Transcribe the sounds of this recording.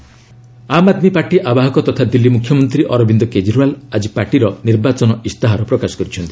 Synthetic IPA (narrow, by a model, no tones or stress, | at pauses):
amad̪mipaɾʈiʔabaɦɔkɔt̪ɔt̪ʰad̪ilːimukʰjɔmɔnt̪ɾiʔɔɾɔbind̪ɔked͡ʒɾualad͡ʒipaɾʈiɾɔniɾbat͡ʃɔnɔʔist̪aɦaɾɔpɾɔkasɔ̥kɔɾit͡ʃʰɔnt̪ʰi̥